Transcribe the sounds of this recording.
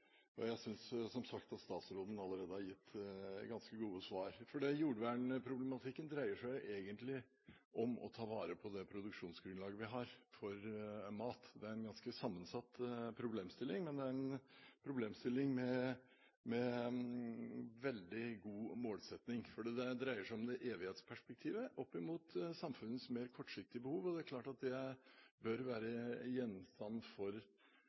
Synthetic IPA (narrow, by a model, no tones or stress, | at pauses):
jɑ̰jæɪsʏnssɔmsɑkt̪ɑt̪st̪ɑːt̪sɾoːd̪ənɑlːəɾeːd̪əhɑɾjɪt̪ːɡɑnskəɡuːəsʋɑːɾfɔɖɛjuːɖʋæːɳəpʰɾʊblɛmɑt̪ʰɪkːənd̪ɾæɪəʂæɪʔeːɡənt̪lɪ | ʔɔmɔ̰t̪ʰɑːʋɑːɾəpʰɔd̪ɛpʰɾʊd̪ʉkʂuːnsɡɾʉnlɑːɡəʋɪɦɑɾfɔɾmɑːt̪d̪ɛæɾɛnɡɑnskəsɑmːənsɑt̪ːpʰɾʊbleːmst̪ɪlːɪŋmɛnd̪ɛæɾɛnpʰɾʊbleːmst̪ɪlːɪŋmɛ | mɛ | ʋɛld̪ɪɡuːmoːlsɛt̪nɪŋfɔɖiːd̪ɛd̪ɾæɪəʂæɪɔmd̪ɛʔeːʋɪheːt̪spʰæʂpɛk̚t̪ʰiːʋəʔɔpːɪmuːt̪sɑmfʉnːəsmeːɾkʰɔʈːʂɪk̚t̪ɪəbəhuːʋɔd̪ɛæɾklɑːʈɑt̪̚d̪ɛbœɾʋæːɾəjɛnːst̪ɑnːfɔɾ